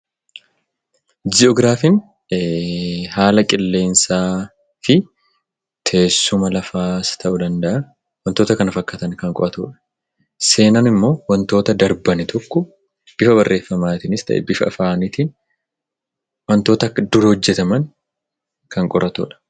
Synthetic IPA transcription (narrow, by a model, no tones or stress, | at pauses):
d͡ʒɪɔɡɾaːfin | haːlɐkʼɪlːe̞ːnsaː | fɪ | t̪ʰe̞ːsːʊmɐlɐfaːst̪ʰɐʔʊd̪ɐnd̪ɐʔɐ | wɐnt̪o̞ːt̪ɐkɐnɐfɐkːɐt̪ɐnkɐŋkʼɔ̰ʔɐt̪ṵːᶑɐ̥ | se̞ːnɐnɪmːo̞ːwɐnt̪o̞ːt̪ɐd̪ɐɾbɐnɛt̪ʰɔkːɔ | b̥ɪfɐbɐrːʔe̞ːfːɐmaːt̪ɪnɪst̪ɐ̰ʔɛ̰bɪfɐːfaːnit̪iːn | wɐnt̪o̞ːt̪ɐkːɐd̪ʊɾhɔd͡ʒːɛt̪ɐmɐŋ | kɐŋkʼɔɾʔɐt̪ṵːᶑɐ̥